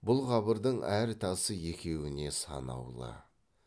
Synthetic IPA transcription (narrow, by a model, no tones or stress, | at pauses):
bʊlˠʁɑbəɾd̪əɴæɾt̪ʰɑsəje̞kʲe̞wɪne̞sɑ̰nɑ̰wlˠə̰